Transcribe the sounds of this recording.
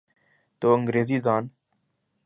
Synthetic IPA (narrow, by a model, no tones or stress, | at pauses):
t̪oːəŋɡɾeːziːzaːn